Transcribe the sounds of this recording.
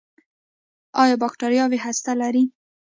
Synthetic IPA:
ɑjɑbɑkʈaɾjɑweɦast̪alaɾi

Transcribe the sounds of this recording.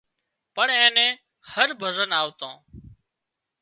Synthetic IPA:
pəɳẽːnɛ̃ː | həɾbʱəzənaːʋt̪õ̰ː

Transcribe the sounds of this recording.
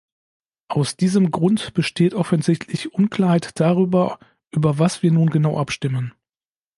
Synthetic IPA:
ʔaʊsd̥iːzəmɡʁʊntb̥əʃteːtʔɔfənzɪçtʰlɪçʔʊnkl̥aːɐhaɛɪtd̥aʁ̞yːbɐ | ʔyːbɐvasv̥iːɐnuːnɡənaʊʔapʃtɪmən

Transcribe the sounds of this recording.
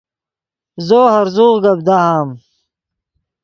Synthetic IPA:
zoːhɐɾzuːʁɡɐb̚d̪aːhaːm

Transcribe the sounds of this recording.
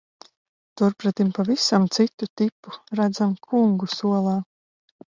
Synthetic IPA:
t̪uɾpɾat̪impavisamt̪sit̪ut̪ipːuɾad̪zamkʰuŋɡusuɔlˠaː

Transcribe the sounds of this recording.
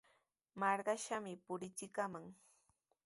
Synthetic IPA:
mɑɾɢɑʃamɪpʊɾɪt͡ʃɪkamaŋ

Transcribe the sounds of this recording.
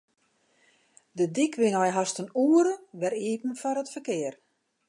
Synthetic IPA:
dədikʰʋɪnɔjɦastənuːəɾəʋɛɾiːpən̩fɔɾətfərkɪər

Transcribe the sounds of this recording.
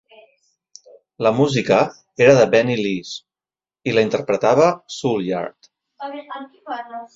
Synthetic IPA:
ləmuzikə | eɾəðəbɛnilis | iləint̪əɾpɾət̪aβ̞əsulja̰ɾt̪

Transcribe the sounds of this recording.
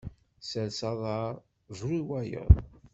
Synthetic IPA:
səlsɑðˤɑɾˤ | ʒɾiwæjə̰ðˤ

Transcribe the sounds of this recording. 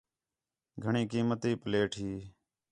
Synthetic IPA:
ɡʱəɳĩːkiːmət̪iːpəleːʈʰiː

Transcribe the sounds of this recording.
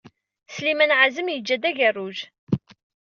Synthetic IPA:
slimænʕazəmjəd͡ʒːæd̪æʝærːuʒ

